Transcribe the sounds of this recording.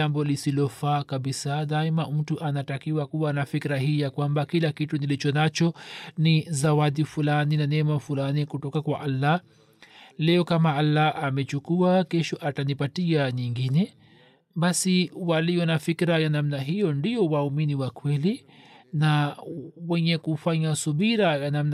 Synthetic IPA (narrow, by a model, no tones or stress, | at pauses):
ambɔlisilɔfaːkaɓisaðaɛmam̩tuʔanatakiwakuwanafikɾaɦiːjakwambakilakitunilit͡ʃɔnat͡ʃɔnizawaɗifulaninanɛmafulanikutɔkakwaʔalːa | lɛɔkamaalːaamɛt͡ʃukuakɛʃɔʔatanipatiaɲiŋɡinɛ | ɓasiwaliɔnafikɾajanam̩naɦijɔndiɔwauminiwakwɛli | na | wɛɲɛkufaɲasuɓiɾajanamn